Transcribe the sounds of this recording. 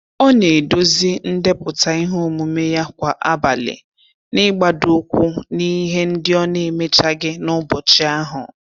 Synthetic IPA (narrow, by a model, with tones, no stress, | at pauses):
ɔ˦ne˨do˦zi˦n̩˦de˦pʊ˨ta˨i˦ɦo˦mu˨me˦ja˦kʷa˨ʔa˦ba˨lɪ̰˨ | nɪ˦ɡ͡ba˨dʊ˦kʷu˦ni˦ɦe˦n̩˦dɪ˦ɔ˦ne˨me˦t͡ʃa˦ɡɪ˦nʊ˦bɔ˨t͡ʃɪ˦a˦ɦʊ̰˨